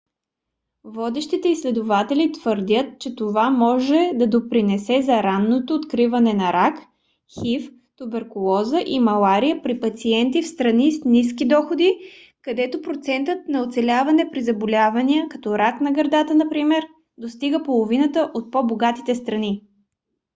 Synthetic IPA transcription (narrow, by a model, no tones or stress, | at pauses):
vɔd̪ɛʃt̪it̪ɛislɛd̪ʊvat̪ɛlit̪v̥əɾd̪ʲət̪̚t͡ʃɛt̪ovamɔʒɛd̪ɐd̪opɾinɛsɛzɐɾanːot̪oːt̪kɾivɐnɛnɐɾak | xif | t̪ubɛɾkʊlˠɔzəʔimɐlˠaɾijəpɾipɐt̪siɛnt̪ifst̪ɾɐnisniskid̪ɔxod̪i | kɐd̪ɛt̪opɾot̪sɛnt̪ət̪̚nɐot̪sɛlʲavɐnɛpɾizɐbolʲavɐnijəkɐt̪ɔɾaknɐɡɐɾd̪at̪ənɐpɾimɛɾ | d̪ost̪iɡəpolˠovinət̪əʔot̪̚poboɡat̪it̪ɛst̪ɾɐni